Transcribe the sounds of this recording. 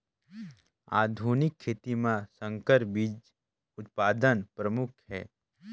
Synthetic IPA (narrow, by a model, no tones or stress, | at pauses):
a̰ːd̪ʱunɪkʰːeːt̪imãsə̃ŋkəɾbid͡ʒ | ʊt̪̚paːd̪ənpɾəmʊkʰhɛ̰ː